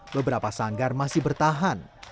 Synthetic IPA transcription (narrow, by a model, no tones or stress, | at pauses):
bəbəɾapasaŋɡarmasɪhbərt̪aɦan